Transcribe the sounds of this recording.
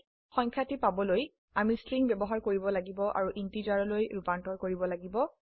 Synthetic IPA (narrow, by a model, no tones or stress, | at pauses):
xɔɲkʰatipabɔloj | amistɹiŋbɛbɔɦaɹkoɹibɔlaɡibɔʔa̰ɹuʔintid͡ʒaɹɔlojɹupantɔɹkoɹibɔlaɡibɔ